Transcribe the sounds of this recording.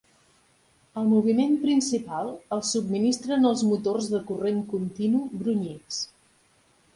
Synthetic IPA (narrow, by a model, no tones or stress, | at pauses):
əlˠmuβ̞imempɾinsipalˠəlˠsub̚minist̪ɾənəlˠzmut̪orzðəkureŋkunt̪inubɾuɲis